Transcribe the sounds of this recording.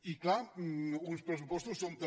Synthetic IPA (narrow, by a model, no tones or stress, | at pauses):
iklaɾuspɾes̬upɔst̪usːõnt̪ɐ